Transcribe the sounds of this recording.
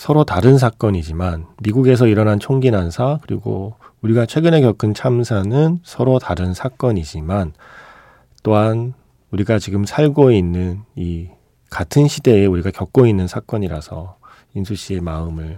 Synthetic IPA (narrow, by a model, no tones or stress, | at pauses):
sʰʌɾotaɾɯns̬ʰak͈ʌɲid͡ʑimanmiɡuɡe̞s̬ʰʌiɾʌnɦant͡ɕʰoŋɡinansʰakɯɾḭɡo̰uɾiɡat͡ɕʰwe̞ɡɯne̞kjʌkʰɯnt͡ɕʰamsʰanɯnsʰʌɾotaɾɯnsʰak͈ʌɲid͡ʑiman | t͈oɦan | uɾiɡat͡ɕiɡɯmsʰaɭɡoinːɯni | katʰɯnɕʰide̞euɾiɡakjʌk̚k͈oinːɯnsʰak͈ʌɲiɾasʰʌ̰ | insʰuɕ͈iemaɯmɯɭ